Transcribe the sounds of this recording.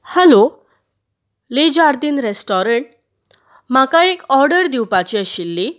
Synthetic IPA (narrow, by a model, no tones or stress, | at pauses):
hɛlo | lid͡ʑaɾd̪inɾesʈɔɾəɳʈ̚ | makaekɔɾɖəɾd̪iwpat͡ɕiəɕilːi